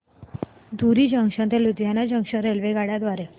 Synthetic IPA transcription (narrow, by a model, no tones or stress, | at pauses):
d̪uɾiːd͡ʑəŋɕə̃nt̪elud̪janad͡ʑəŋʂəɾelʋeɡaɽjad̪ʋaɾe